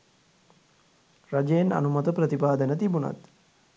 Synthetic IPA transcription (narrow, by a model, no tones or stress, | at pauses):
rad͡ʒejena̰numɐt̪əprət̪ipaːd̪ənət̪ibuna̰t̪